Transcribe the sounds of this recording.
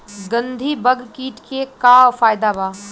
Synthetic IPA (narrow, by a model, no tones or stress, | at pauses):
ɡə̃nd̪ʱibəɡʱkiːʈkekaːwfaːjd̪abaː